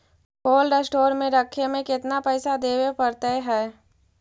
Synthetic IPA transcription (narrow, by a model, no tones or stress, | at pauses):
poːlɖəsʈoːɾmẽɾəkʰːemẽkɪt̪napɛːsad̪eːwepɐɾt̪eɦɛː